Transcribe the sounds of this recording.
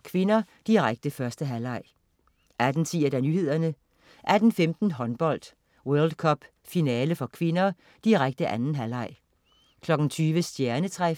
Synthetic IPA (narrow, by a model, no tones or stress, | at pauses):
kʰʋe̝nɐ | d̥iʁaɡ̥̚d̥əfɶɐsd̥əɦælɑ̈ɪ̰ | ʔæd̥n̩t͡sʰḭːɐd̥ænyːɦe̝ð̞̰ˠɐnə | ʔæd̥n̩femd̥n̩ɦɒ̽nb̥ɒ̽l̰d̥ | wœɐld̥kʰɒ̽b̥ | finɛːləfɒ̽kʰʋe̝nɐ | d̥iʁaɡ̥̚d̥əʔænn̩ɦælɑ̈ɪ̰ | kʰlɒ̽ɡ̥n̩t͡sʰyːʋəsd̥jæɐnət͡sʰʁɛ